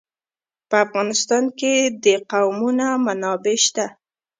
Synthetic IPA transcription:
pəafɣɑnɪst̪ɑnked̪əqawmunamanɑbeʃt̪a

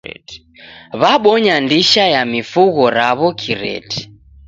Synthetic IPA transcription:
βaɓɔɲandiʃajamifuɣɔɾaβɔkʰiɾɛ̰tʰi̥

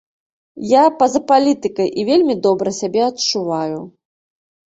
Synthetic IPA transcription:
japɐzɐpalʲit̪ɨkɐjʔivʲelʲmʲid̪ɔbɾɐsʲabʲɛɐtt͡ʂuvaju

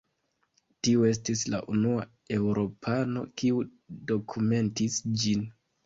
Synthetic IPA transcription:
tiue̞s̬tisla̰ʔunua | e̞wɾo̞pʰano̞̰kiu | do̞kʰume̞ntisd͡ʒin

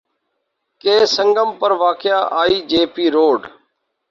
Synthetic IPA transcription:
keːsəŋɡəmpəɾʋaːkɪjaːʔaːiːd͡ʒeːpiːɾoːɖ

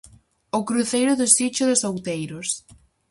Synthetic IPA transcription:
ʊkɾuθejɾʊðʊsit͡ʃʊðʊsawt̪ejɾʊs

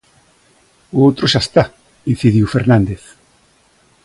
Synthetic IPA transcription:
oowt̪ɾoʃast̪a | in̟θiðjufeɾnãnd̪eθ

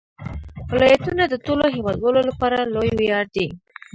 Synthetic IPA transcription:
wɪlɑjat̪unad̪ət̪oloɦewɑd̪wəlolapɑɾalojwjɑɾd̪i

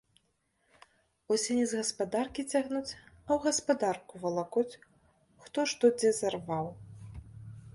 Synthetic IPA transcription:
ɔsʲɛnʲɛzɣɐspad̪arkʲit͡sʲaɣnut͡sʲɐwɣɐspad̪arkuvɐlˠakɔt͡sʲ | xt̪ɔʂt̪ɔd͡zʲɛzarvaw

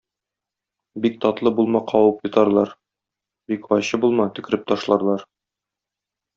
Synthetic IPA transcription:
bik̚t̪ɒt̪lˠɤbulˠmɑqʰɒwɤpjŏt̪ɑɾlˠɑɾ | bikɒjɕɤbulˠmɑt̪ɵ̆kɘ̆ɾɘp̚t̪ɒʃlˠɑɾlˠɑɾ

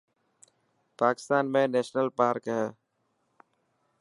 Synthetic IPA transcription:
paːkɪ̥st̪aːnmẽːneːʃnəlpaːɾkɦɛː

